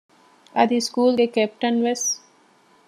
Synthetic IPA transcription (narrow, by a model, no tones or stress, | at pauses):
ɐd̪iskuːlɡekepʈɐnʋes